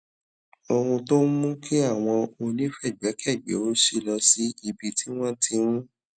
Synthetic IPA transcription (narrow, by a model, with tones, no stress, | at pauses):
o˧ɾũ˧to˦mũ˦kʰi˦a˦˨w̃ɔ̃˧o˧nĩ˦fɛ˦˨ɡ͡bɛ˨˦kʰɛ˦˨ɡ͡bḛ˨˦o˦ʃi˦˨lɔ˧si˦i˧bi˧tʰi˦w̃ɔ̃˦tʰĩ˧˦ɾ̃ũ˦